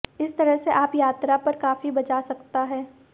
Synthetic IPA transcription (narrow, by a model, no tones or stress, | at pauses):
ɪst̪ɐɾəɦseʔaːpjaːt̪ɾapɐɾkaːfibɐt͡ʃasɐkt̪aɦɛː